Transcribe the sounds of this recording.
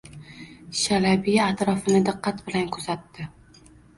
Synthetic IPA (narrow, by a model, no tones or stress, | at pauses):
ʃalabijat̪ɾɒfɪnɪd̪ɨqːɑt̪bɪlankʰʊzat̪ːɪ